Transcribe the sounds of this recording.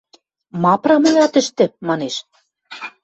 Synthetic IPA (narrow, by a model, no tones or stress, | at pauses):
mɑpɾɑmɤ̆jɑt̪ə̆ʃt̪ɘ̆mɑneʃ